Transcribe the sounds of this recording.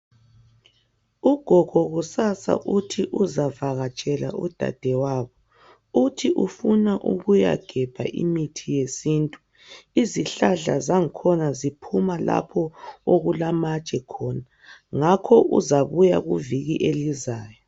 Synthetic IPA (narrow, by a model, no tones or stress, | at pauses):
uɡ̥ʱɔɡ̥ʱɔɣusasa̰ʔutʰiʔuzavaɣat͡ʃʼɛla̰ʔud̥ʱa̰d̥ʱɛwaːβɔ | utʰiʔufunaʔṵɣuja̰ɡ̥ʱɛb̥ʱa̰ʔḭmitʰijesiːntʼu | iziɬaɮa̰zaŋ̩kʰɔnazipʰumala̰pʰɔoɣulamat͡ʃʼɛkʰɔna | ŋakʰɔʔṵzaβuja̰ɣuviɣiʔelizaːjɔ